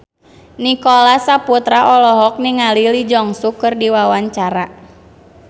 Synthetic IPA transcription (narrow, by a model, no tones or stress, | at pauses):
nikɔlasaput̪ɾaʔɔlɔɦɔk̚niŋalilid͡ʒɔŋsukɨrdiwawaɲt͡ʃaɾa